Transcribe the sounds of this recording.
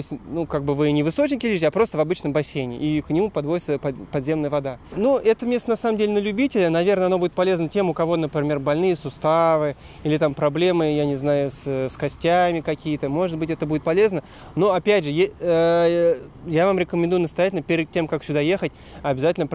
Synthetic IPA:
osʲnukaɡ̚bɨvɨnʲɪvɨst̪ot͡ɕnʲɪkʲɪlʲizʲɪapɾo̞st̪əvɐbɨt͡ɕnəmbɐsʲejnʲɪ̰ʔiknʲɪmupɐd̪vo̞dʲɪt̪səpɐpɐd̪zʲe̞mnəjəvɐd̪anuʔɛt̪əmʲe̞st̪ənɐsaməmdʲelʲɪnəlʲʉbʲitʲɪlʲənɐvʲe̞rnəɐno̞budʲɪt̪pɐlʲeznətʲe̞mʊkɐvo̞nəpɾʲɪmʲe̞rbɐlʲnɨjəsʊst̪avɨ | ilʲɪt̪ampɾɐblʲe̞mɨjanʲɪznajʊsəskɐsʲtʲamʲɪkɐkʲijət̪əmo̞ʐɨd̪̚bɨtʲɛt̪əbudɪt̪̚pɐlʲe̞znə | noɐpʲædʲʐɨjeə | javamɾʲɪkəmʲɪ̃nd̪ujʊnəst̪ɐjætʲɪlʲnəpʲɪɾʲɪd̪̚tʲːe̞mkaksʲʊd̪aje̞xətʲ | ɐbʲɪzatʲɪlʲnəp

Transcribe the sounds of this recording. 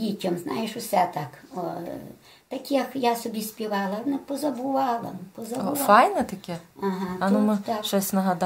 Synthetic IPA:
itʲɔmznʔɑ̰jɪʃʊsɛt̪ɑkɔ | t̪ɐkʲijɐkjɑsɔbʲisʲpʲiʋɑlˠɐnɛpɔzɐbʊʋɑlˠɐ̰pɔzɐʊʋfɑjnɛt̪ɐkʲɛɐɦɑɐnʊmɪt̪ɑkʃt͡ʃɔsʲnɐɦɐd̪

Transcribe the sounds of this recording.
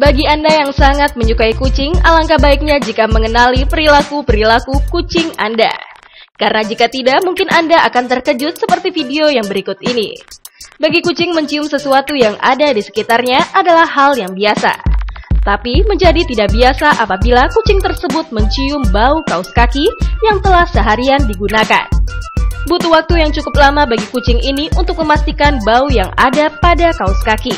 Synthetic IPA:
baɡiandajaŋsaŋat̪̚məɲukaikut͡ʃɪŋa̰laŋkabaik̚ɲad͡ʒikaməŋənalipəɾilakupəɾilakukut͡ʃɪŋa̰nda̰ | kaɾənad͡ʒikat̪idaʔmuŋkɪnʔandaʔakant̪ərkəd͡ʒʊt̪̚səpərt̪ifideojaŋbəɾikʊt̪inḭbaɡikut͡ʃɪŋməɲt͡ʃiʊmsəsuat̪ujaŋʔa̰dadisə̥kit̪arɲaʔadalahɦaljaŋbiasa̰t̪apiməɲd͡ʒadit̪idaʔbiasaʔapabilakut͡ʃɪŋt̪ərsəbʊt̪̚məɲt͡ʃiʊmbaukauskakijaŋt̪əlahsəɦaɾiandiɡunaka̰n | but̪uwak̚t̪ujaŋt͡ʃukʊp̚lamabaɡikut͡ʃɪŋʔiniʔunt̪ʊk̚məmast̪ikanbaujaŋa̰dapadakauskaki

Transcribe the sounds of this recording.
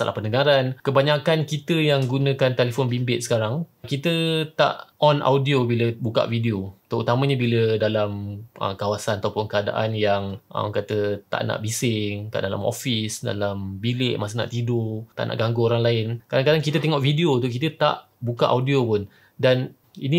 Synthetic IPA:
sa̰la̰hpənəɡaɾankəbaɲakankit̪əjaŋɡunə̃kant̪elefɔnbimbɪt̪̚sə̥kaɾaŋkit̪ət̪a̰ʔʔɔnʔa̰wdiobiləbuka̰ʔvideot̪əut̪amə̃ɲəbilədalamʔə̰kawasanat̪awpʊnkəada̰ʔanjaŋʔə̰mkat̪ət̪a̰ʔna̰ʔbisɪŋkaʔdala̰mo̰fisda̰lambilɪʔmas̬əna̰ʔt̪idot̪a̰ʔnʔa̰ʔɡaŋɡooɾaŋlaɪnkadaŋkadaŋkit̪ət̪ɛŋɔʔfidiot̪ʊʔkit̪ət̪a̰ʔ | bukaʔawdiopʊn | dan | ini

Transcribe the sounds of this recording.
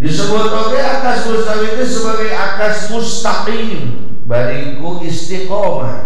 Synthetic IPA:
disəbʊt̪̚okeakasmust̪apit̪isəbəɡajakasmʊst̪aki | m | baɾiŋkuʔist̪ikɔma̰h

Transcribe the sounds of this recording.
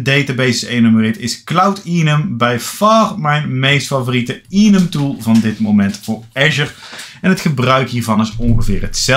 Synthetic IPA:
dejtabejsɪsejnomərɪːtɪsklʌwtinəmbɛjfɑːrmɛjnmejstfɑvoːritəinəmtulˠvɑndɪtmowmɛntfʊːɹɛʒəɹ | ɛnətχəbrœɥkɦiːɹvɑnɪsɔnχəvɪ̰ːrɦətsɛ

